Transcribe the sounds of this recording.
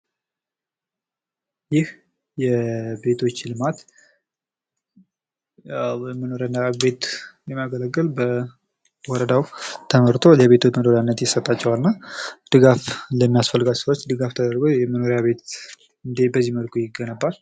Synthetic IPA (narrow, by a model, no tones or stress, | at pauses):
jɪh | jɛbe̞t̪ʰo̞t͡ʃːlɨmat̪ | aməno̞ɾjanːəbe̞t̪ləmijaɡələɡːəlbə | wɔɾəd̪awt̪ʰəməɾt̪ʰo̞jɛβe̞t̪ʰo̞t͡ʃməno̞ɾjanːət̪jɪsət̪ʼːat͡ʃːɛwalnad̪̥ɨɡafləmːijasfəlːɨɡasəwot͡ʃːd̪ɨɡaft̪ʰəd̪əɾɡo̞jɛməno̞ɾjaβe̞t̪ | ɨnd̪ebəzːiməɾɡojɪɡːənəbːal